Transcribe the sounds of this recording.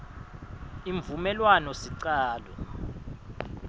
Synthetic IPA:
iɱvumɛlwanɔsiǀaːlɔ

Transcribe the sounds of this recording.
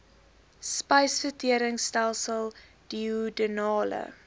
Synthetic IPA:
spɐjsfətiəɾəŋstælˠsəlˠ | d̥iudənɑːlə̰

